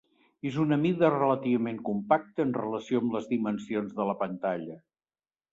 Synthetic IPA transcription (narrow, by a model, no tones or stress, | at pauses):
ezunəmiðərələt̪iβəmeŋkumpak̚t̪əːnrələsioəmləzðimənsionzðələpənt̪aʎə